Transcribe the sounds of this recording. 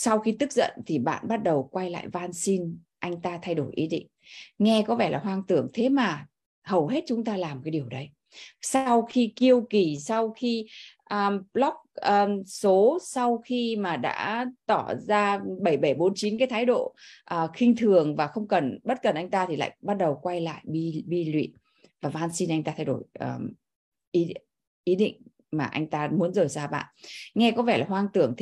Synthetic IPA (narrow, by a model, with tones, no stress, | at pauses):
sa˧wxi˧t̪ɨ˦˥k̚zə̰˧˨nt̪ʰi˨˩ɓa̰ː˧˨nɓa˦˥t̚ɗə˨˩wkwa˧jla̰ː˧˨jvaː˧nsi˧n | ʔa˧jŋ̟t̪aː˧t̪ʰa˧jɗo˧˩jʔi˨˦ɗḭ˧˨ŋ̟ŋɛ˧kɔ˨˦vɛ˧˩laː˨˩ɦwaː˧ŋt̪ɨ˧˩əŋt̪ʰe˨˦maː˨˩ | hə˨˩wɦe˦˥t̚t͡ɕʊ˨˦ŋ͡mt̪aː˧laː˨˩mkaː˨˦jɗi˨˩əwɗə˨˦j | sa˧wxi˧ki˧əwki˨˩sa˧wxi˧ʔə˨˩lɔ˦˥k͡p̚əː˨˧so˨˦sa˧wxi˧maː˨˩ɗa̰ː˧˥t̪ɔ˧˩zaː˧ɓə˧˩jɓə˧˩jɓo˨˦nt͡ɕi˨˦nkaː˨˦t̪ʰaː˨˦jɗo̰˧˨ʔəː˨˩xï˧ŋ̟t̪ʰɨ˨˩əŋvaː˨˩xə˧wŋ͡mkə˨˩nɓə˦˥t̚kə˨˩nʔa˧jŋ̟t̪aː˧t̪ʰi˨˩la̰ː˧˨jɓa˦˥t̚ɗə˨˩wkwa˧jla̰ː˧˨jɓi˧ɓi˧lwḭ˧˨n | vaː˨˩vaː˧nsi˧nʔa˧jŋ̟t̪aː˧t̪ʰa˧jɗo˧˩jʔəː˨˩ | ʔi˨˦ | ʔi˨˦ɗḭ˧˨ŋ̟ | maː˨˩ʔa˧jŋ̟t̪aː˧mu˨˦nzəː˨˩jzaː˧ɓa̰ː˧˨nŋɛ˧kɔ˨˦vɛ˧˩laː˨˩ɦwaː˧nt̪ɨ˧˩əŋt̪ʰ